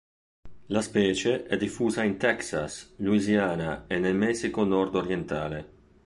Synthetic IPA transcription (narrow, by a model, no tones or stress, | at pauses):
laspɛːt͡ʃeʔɛd̪ifuːzaint̪ɛksa̰sluizjaːnaenelmɛsikonɔrd̪oɾjent̪a̰ːle